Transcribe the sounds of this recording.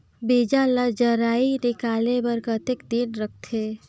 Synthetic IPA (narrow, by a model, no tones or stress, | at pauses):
bid͡ʒaləd͡ʒəɾainikalebəɾkət̪ekd̪inɾəkʰt̪ʰe